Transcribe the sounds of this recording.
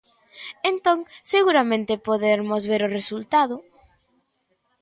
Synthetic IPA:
ent̪õŋseɣuɾamẽnt̪ɪpoðeɾmʊzβeɾʊresult̪aðʊ

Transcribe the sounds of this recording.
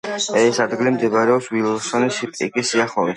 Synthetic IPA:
ɛsad̪ɡlimd̪ɛbaɾɛɔpswilˠɔsɔnisipʼḭkʼisiaχɔi

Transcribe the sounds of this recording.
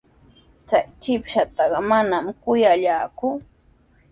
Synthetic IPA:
t͡sajt͡ʃɪpʃat̪ɑɢɑmanamkʊjaʎaːkʊ

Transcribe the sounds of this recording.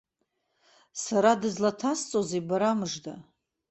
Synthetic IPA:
saɾadɨzlatʰast͡sʼozebaɾamɨʐda

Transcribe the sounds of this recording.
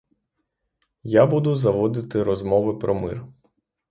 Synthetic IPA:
jabud̪ʊzɐʋɔd̪ɪt̪ɪɾɔzmɔʋɪpɾɔmɪ̰r

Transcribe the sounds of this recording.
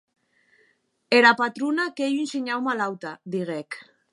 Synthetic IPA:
eɾapat̪ɾunakejenseɲawmalawt̪ad̪iɣek

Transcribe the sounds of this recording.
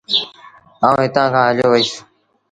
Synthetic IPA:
aːũːɦɪt̪ãːkʰãːəloːʋəiːs

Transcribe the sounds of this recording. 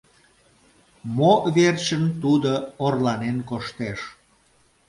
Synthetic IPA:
moβert͡ɕənt̪ud̪oorlɑnenkoʃt̪eʃ

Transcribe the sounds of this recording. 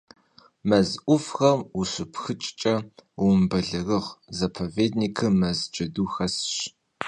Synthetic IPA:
mɐzʔʷʊfxɐmuɕɨpxɨt͡ʃʼt͡ʃʼɐwmbɐɮɨrɨʁzɐpʰoveːd̚niːkʰɨmɐzd͡ʒɐduxɐsɕ

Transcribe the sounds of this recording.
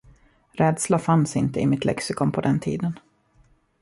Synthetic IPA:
ɾɛːd̪slafansɪnt̪əɪmɪt̪lɛ̰ksɪkɔmpʰɔd̪ɛnt̪ʰḭːd̪ən

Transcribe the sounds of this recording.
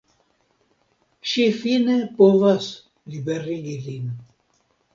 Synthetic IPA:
ʃifinepovas | libɛriɡilin

